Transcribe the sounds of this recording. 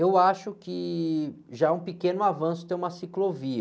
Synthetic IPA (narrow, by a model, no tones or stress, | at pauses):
ewaʃʊkɪ | ʒaũpɪkẽnʊavɐ̃sʊ̥t̪ẽj̃ũmɐsiklovi